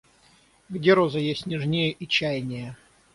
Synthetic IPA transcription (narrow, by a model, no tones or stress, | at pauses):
ɡdʲeɾozəjesʲtʲnʲɪʐnʲejəʔit͡ɕæjnʲɪjə